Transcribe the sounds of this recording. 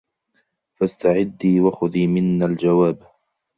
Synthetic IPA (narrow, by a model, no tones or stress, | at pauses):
fast̪aʕɪd̪ːiːwaxʊðiːmɪnːald͡ʒawaːb